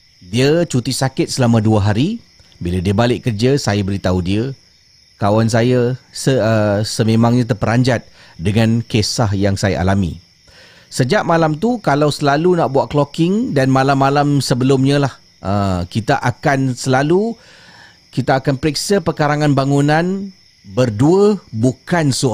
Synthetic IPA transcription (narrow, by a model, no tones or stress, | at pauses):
diət͡ʃut̪isakɪt̪̚səlamãduaɦaɾi | biladiəbalɪʔkərd͡ʒasajabəɾit̪audiə | kawans̬ajasəəsəmẽmãŋɲãt̪̬ərpəɾaɲd͡ʒat̪̚ | dəŋãnkesaɦjaŋsaja̰ʔa̰lamḭ̃ | səd͡ʒaʔmalamt̪ukalawsəlalunaʔbuaʔklokɪŋdanmalamːalamsəbəlʊmɲə̃lah | ʔəkit̪aʔakansəlalu | kit̪aːkanpəɾiksəpərkaɾaŋãnbaŋunãn | bərduəbukansu